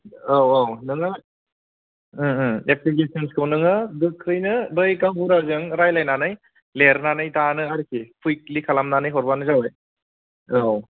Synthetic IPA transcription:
awawnɯŋɯ | eplikesənskʰɯwnɯŋɯdɯkʰɾɯjnɯbɯjkawbuɾazɯŋɾajlajnanɯj | leɾnanɯjtanɯaɾikʰipʰujk̚likʰalamnanɯjɦɔɾbanɯzawaj | aw

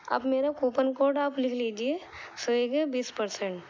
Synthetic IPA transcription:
ɐ̰bmeːɾakoːpənkoːɾɖaːplɪkʰliːd͡ʒie | soeɡebiːspɐɾsẽɳʈ

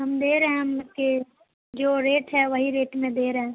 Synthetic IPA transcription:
ɦɐmd̪eːɾɐɦɛ̃ɦɐmke | d͡ʒoːɾeːʈɦɛʋɐɦiɾeːʈmẽd̪eːɾɐɦẽ

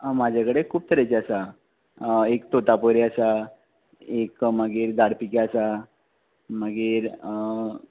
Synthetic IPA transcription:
mad͡ʑʱakəɽekʰuːp̚t̪əɾat͡ɕeəsa | ekt̪ot̪apəɾeəsa | ekməɡiːɾd̪aɽpikeəsa | məɡiːɾə

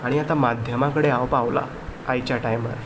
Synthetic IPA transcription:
aɽ̃iat̪amad̪ʱjəmakəɽeawpaʋla̰ | ajt͡ɕjaʈajmə̰ɾ

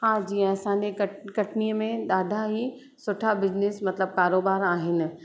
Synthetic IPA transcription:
hãːd͡ʑiːɛ̃ɐsãːɲd͡ʑekɐkɐʈniəmẽd̪aːd̪ʱaɦi | sʊʈʰabɪd͡ʑneːsmɐt̪ləb̚kaːɾoːbaːɾaːɦɪnɪ̆

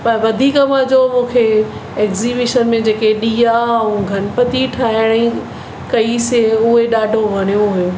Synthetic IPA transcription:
pɐɾʋɐd̪ʱiːkəmãd͡ʑomũːkʰe | eːkzibɪʃənmẽd͡ʑeːkeɗiːjaũɡʱɐnpɐt̪iʈʰaːɦɪɽ̃i | kɐiseʊɦeɗaːɖʱoʋɐɽ̃ijoɦʊjo

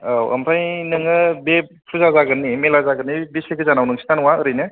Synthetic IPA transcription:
awɐ̰mpʰajnɯŋɯbe | pʰuzazaɡɯnːimelazaɡɯnːibiseɡʰɯzanawnɯŋsʰi̥nanɯwaɯɾɯjnɯ

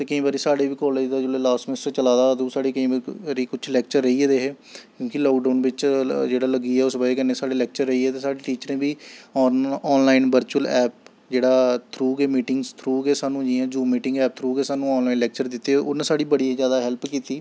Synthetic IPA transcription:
t̪eːkəĩːbaːɾiːsaːɽeːʋiːkɔːleːd͡ʒd̪aːd͡ʒeleːlaːsmɪnɪsʈɾət͡ʃəlaːd̪aːd̪ẽːsaːɽeːkəĩːɾiːkʊt͡ʃʰlɛːk̚t͡ʃəɾːəiːɛd̪eːɦeː | kjõːkɪlɔːkɖaːnbɪt͡ʃd͡ʒeːɽaːləɡiːɛːʊsbaeːkənẽːsaːɽeːlɛːk̚t͡ʃəɾːəiːɛːt̪eːsaːɽeːʈiːt͡ʃəɾẽːbiːɔːɔːnlaːɪnʋəɾt͡ʃuəlɛːp̚ | d͡ʒeːɽaːt̪ʰɾuːɡeːmiːʈɪŋɡst̪ʰɾuːɡeːsaːnũːd͡ʒĩːãːd͡ʒuːmiːʈɪ̃ŋɡɛːp̚t̪ʰɾuːɡeːsaːnũːɔːnlaːinlɛːk̚t͡ʃəɾd̪ɪt̪ːeːʊnãːsaːɽiːbəɽiːzjaːd̪aːɦɛlpkiːt̪iː

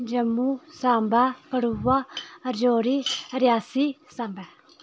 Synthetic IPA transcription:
d͡ʒɐmːusaːmbakəɽuwaɾd͡ʒoːɾiɾjaːsisãːmba

